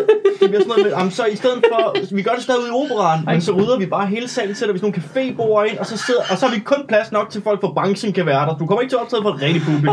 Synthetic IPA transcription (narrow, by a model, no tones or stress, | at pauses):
d̥eb̥iɐsɔnɔð̩ˠmeʔɑmnsɒ̽isd̥eð̞̰ˠð̩ˠfɒ̽ʋiɡ̥ɶɐɾ̥esd̥ɛðˠiuð̩ˠio̝̰ːb̥əʁɑ̈ːnmensɒ̽ʁyːð̞ˠɐʋib̥ɑ̈ːɦe̝ːləsɛ̰ːln̩seɾ̥ɐʋisɔno̝ːn̩kʰæfe̝̰ːb̥o̝̰ːɐe̝n̰ɒ̽sɒ̽se̝ð̰ˠɐʔɒ̽sɒ̽hɑ̈ʋikʰɔ̽npʰlæsnɒ̽ɡ̥̚t͡sʰe̝lfɒl̰ɡ̥fɒ̽b̥ʁɑ̈ŋɡ̥sən̩kʰæʋæːɐdɾɑd̥ukʰɒ̽mɐeɡ̥̚t͡sʰe̝ɐɒ̥t͡sʰɛðˠfɒʁɛ̥d̥ib̥ubi